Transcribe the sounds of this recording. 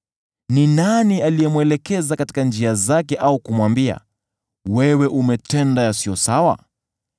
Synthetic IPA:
ninanialijɛmwɛlɛkɛzakati̥kand͡ʒiazakɛʔaukumwambia̰ | wɛwɛʔumɛtɛndajasiɔsawa̰

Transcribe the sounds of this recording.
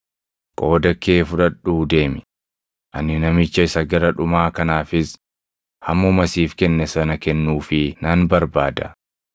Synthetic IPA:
kʼo̞ːd̪ɐkːe̞ːfʊᶑɐᶑuːd̪e̞ːmɪ | ʔɐnːɪnɐmɪt͡ʃːɐɪsɐɡɐɾɐᶑʊmaːkɐnaːfɪs | hɐmːɔmɐsiːfkɛnːɛsɐnɐkɛnːuːfɪnɐnbɐɾbaːd̪ɐ

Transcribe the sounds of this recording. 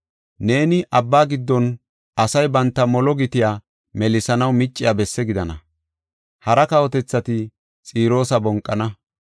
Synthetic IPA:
ne̞ːnɪʔɐbːaːɡɪd̪ːɔn | ɐsɐjbɐnt̪ːɐmɔlɔɡɪt̪ɪjaː | mɛlɪsɐnɐwmɪt͡ʃʼːɪjaːbɛsːɛɡɪd̪ɐnɐ̰ | hɐɾɐkɐwɔt̪ɛt͡sːɐt̪ɪ | t͡sʼiːɾo̞ːsɐbɔŋkʼːɐnɐ

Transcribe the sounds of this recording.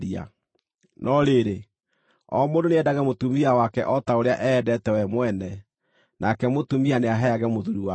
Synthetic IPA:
ia̰ | nʔɔɾeɾe | ɔ̰mondoneɛdaɣɛmotumiawakɛʔɔtaoɾeaʔɛːdɛtɛwɛmwɛnɛ | nʔakɛmotumianeaɦɛaɣɛmoðuɾuwa

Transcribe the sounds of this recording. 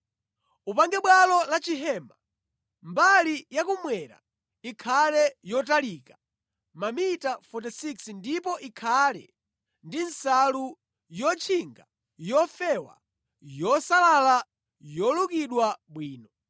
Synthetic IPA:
upaŋɡɛɓwalɔlat͡ʃiɦɛːma | mbalijakumwɛɾa̰ | ikʰalɛjɔtalikḁ | mamitafɔtɛsiksndipɔʔikʰalɛ̰ | ndinsalu | jɔt͡ʃʰiŋɡa | jɔfɛwa̰ | jɔsalala | jɔlukiɗwaɓwiːnɔ

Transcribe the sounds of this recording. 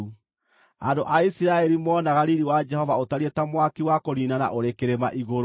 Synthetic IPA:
u | andoʔaisiɾaɛɾimɔːnaɣaɾiɾiwad͡ʒɛhɔvaotaɾietamwakiwakoɾinana̰ʔoɾekeɾema̰ʔiɣoɾ

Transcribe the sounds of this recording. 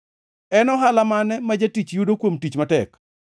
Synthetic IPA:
ɛnɔɦalamanɛmad͡ʒatit͡ʃjudokwomtit͡ʃmatɛk

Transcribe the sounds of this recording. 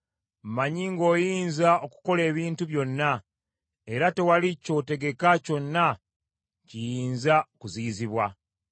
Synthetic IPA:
m̩maɲiŋɡo̞ːjiːnzaʔo̞ku̥ko̞le̞ːβiːntuβjo̞nːa | e̞ɾate̞walico̞te̞ɡe̞kaco̞nːa | cijiːnzakuziːziβwa

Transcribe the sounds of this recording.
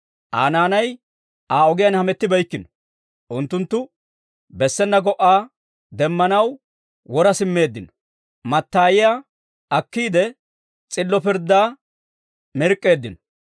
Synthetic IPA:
ʔa̰ːnaːnɐj | aːɔɡɪjɐnhɐmɛt̪ːɪbɐjkːɪnɔ̥ | ʔʊnt̪ːʊnt̪ːʊ | bɛsːɛnːɐɡɔʔːaː | d̪ɛmːɐnɐw | wɔɾɐsɪmːe̞ːd̪ːɪnɔ̥ | mɐt̪ːaːjɪja | ɐkːiːd̪ɛ | t͡sʼɪlːɔpɪɾd̪ːaː | mɪɾkʼːe̞ːd̪ːɪnɔ̥

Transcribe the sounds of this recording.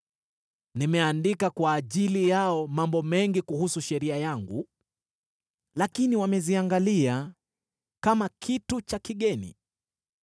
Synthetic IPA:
nimɛandikakwaːʄilijaɔmambɔmɛŋɡikuhusuʃɛɾiajaŋɡṵ | lakiniwamɛziaŋɡalia | kamakʰitut͡ʃakiɠɛnḭ

